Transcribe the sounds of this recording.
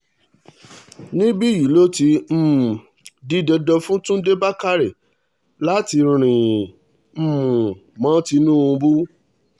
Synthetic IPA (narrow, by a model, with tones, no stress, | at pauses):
nĩ˦bi˦˨ji˨lo˦ti˧˦m̩˦mũ˨ | di˦dɛ˧dɔ˧fũ˦tũ˦de˦ba˦ka˦ɾe˨ | la˨˦ti˧ɾɾ̃ĩ˨ | m̩˧mũ˨mã˨˦ti˧nũ˦ũ˧bu˦